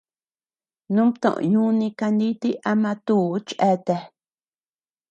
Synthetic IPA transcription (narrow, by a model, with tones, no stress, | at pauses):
nũ˦mt̪õ̰˨ʔõ̰˨ɲũ˦nĩ˧ka˧nd̪i˦t̪i˦ʔa˧mã˧t̪uː˦˨˦t͡ʃʔe˧t̪e˧